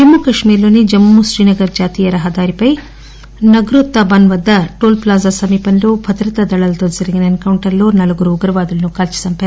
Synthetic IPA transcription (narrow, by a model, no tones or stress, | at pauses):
d͡ʒɐmːuːkɐʂmiːɾloːnid͡ʒɐmːuʃɾiːnɐɡɐɾd͡ʒaːt̪iːjɐɾɐɦɐd̪aːɾipɐj | nɐɡɾot̪ːaːbɐnʋɐd̪ːɐʈoːlplaːzasɐmiːpɐnloːbʱɐd̪ɾɐt̪ɐd̪ɐɭɐlt̪olzɐɾɐɡinɐenkɐwɳʈɐɾloːnɐlɐɡuɾuːɡɐɾɐʋaːd̪ɐlɐnukaːlt͡ʃi̥sɐmpɐ